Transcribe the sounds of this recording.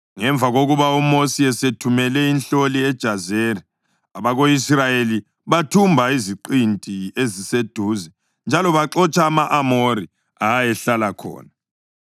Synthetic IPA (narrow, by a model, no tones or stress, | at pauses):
ŋɛɱb̪vʱaɣoɣuβaumosiɛsetʰumɛlɛinɬoliɛd̥ʒ̥ʱazeːri | aβaɣoisrajeli | βatʰumbʱaiziǃintʼiezised̥ʱuːzɛ | nd͡ʒʱalɔβaǁɔt͡ʃʼaːmaʔamoɾi | ajɛɬalakʰɔ̰ːna